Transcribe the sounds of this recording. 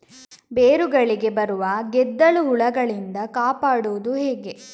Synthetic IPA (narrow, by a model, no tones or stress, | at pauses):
beːɾuɡɐɭiɡe̞bɐɾuʋɐɡɛd̪ːɐɭuɦuɭɐɡɐɭind̪ɐkaːpaːɽuʋud̪uɦɛːɡe̞